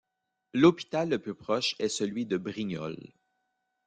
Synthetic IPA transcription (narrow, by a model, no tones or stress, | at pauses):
lopi̥t̪alːəplypχɔʃɛsəlɥid̪əbʁiɲɔ̰l